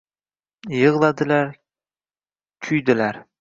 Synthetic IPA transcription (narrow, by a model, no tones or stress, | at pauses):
jɤʁlˠɑd̪ɪlaɾ | kʰʊjd̪ɪlæɾ